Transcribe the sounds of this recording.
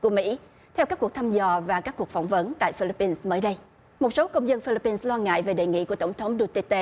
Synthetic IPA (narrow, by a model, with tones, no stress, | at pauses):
ku˧˩əmḭ˧˥ | t̪ʰɛ˧wkaː˦˥ku˨˩ək̚t̪ʰa˧mzɔ˨˩vaː˨˩kaː˦˥kːu˨˩ək̚fɔ̰˧˩wŋ͡mvə˨˦nt̪a̰ː˧˨jfi˧li˧pːi˧nsməː˨˦jɗə˧j | mo˨˩t̚so˨˦kə˧wŋ͡mzə˧nfi˧li˧˥pːi˧nslwaː˧ŋa̰ː˧˨jve˨˩ɗḛ˨˩jŋḭ˧˨ku˧˩ət̪wŋ͡mt̪ʰə˨˦wŋ͡mɗu˧t̪i˧t̪e˧